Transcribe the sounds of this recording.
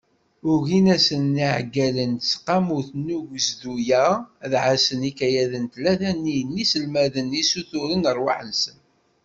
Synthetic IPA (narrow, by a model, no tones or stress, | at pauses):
ʊɾʝinæsənːiʕɡælənsqɑmuθnuʝəzðujæðʕasənikæjæðənt̪læðænːinːisəlmæðənisuθʊɾənəɾˤwaħənsən